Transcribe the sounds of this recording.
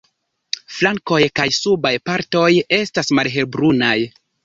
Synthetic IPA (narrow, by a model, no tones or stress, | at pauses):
flaŋko̞jkajsubajpaɾto̞je̞stasmalɦe̞lbɾunaj